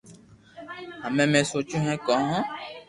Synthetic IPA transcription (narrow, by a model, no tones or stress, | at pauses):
ãmɛ̃mɛ̃sot͡ʃũɦɛ̃kɔɦɔ̃